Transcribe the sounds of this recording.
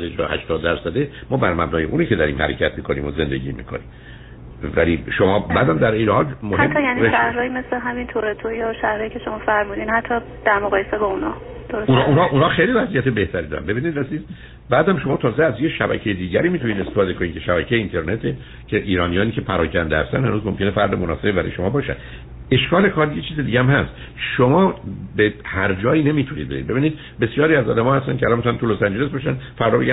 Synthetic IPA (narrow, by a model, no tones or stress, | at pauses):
d̪ed͡ʒɒ̰hæ̰ʃt̪ɒːd̪ːæɾsæd̪emɒːbæɾmæbnɒːjeʔuːniːce̞d̪ɒɾḭːmhæ̰ɾḛcʰæt̪ʰmiːkʰo̞nḭːmoze̞nd̪e̞̰ɟḭːmḭːkʰo̞̰nḭːm | væliʃomɒːbæːd̪æmd̪æɾiːnhɒːlmoɦæet̪ʰːɒjænieʃæhɾɒːjimesleɦæmint̪ʰoɾet̪ʰojɒʃæhɾɒːjicʰeʃomɒːfæɾmuːd̪iːnhæt̪ʰːɒ | d̪̥æɾmoɣɒːjesebɒunɒː | d̪̥oɾosununɒːʔunɒːxejlivæzijæt̪e̞be̞ht̪ʰæɾid̪ɒɾæ̰nbe̞biːnid̪æziːz | bæːd̪æmʃo̞mɒːt̪ʰɒːzeæzjeʃæbæ̰cʰejed̪iːɟæɾiːmiːt̪ʰuniːd̪est̪efɒːd̪ekʰoniːncʰe̞ʃæbæcʰejeint̪ʰe̞ɾne̞t̪ʰe | cʰeʔiːɾɒːnijɒːniːcʰe̞pʰæɾɒːcʰænd̪ehæ̰st̪æ̰nhænuːzmomcʰe̞nefæɾd̪emonɒːsebebæɾɒ̰jeʃo̞mɒːbɒːʃæ̰nd̪ | e̞ʃkɒːle̞kʰɒːɾjet͡ʃʰiːzed̪iːɟæmhæst̪ | ʃomɒːbehæɾd͡ʒɒːiːne̞miːt̪ʰunid̪beḭd̪be̞biːniːd̪ | be̞sjɒːɾiːæzɒ̰ːd̪æmɒːhæst̪æncʰeælɒnmit̪unænt̪ʰulosænd͡ʒe̞lesbɒːʃænfæɾd̪ɒːbe̞ɡæ